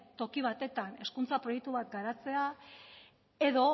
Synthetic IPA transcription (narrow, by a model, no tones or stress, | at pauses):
t̪o̞kiβ̞at̪e̞t̪ane̞skunt͡sapɾo̞jek̚t̪uβat̪ɡaɾat͡se̞a | e̞ðo̞